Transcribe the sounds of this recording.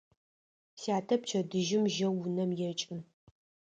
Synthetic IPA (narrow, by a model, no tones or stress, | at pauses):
siaːtʰɐp̚t͡ʃʰɐdɨʒɪmʒɐwunɐmjɛt͡ʃʼɪn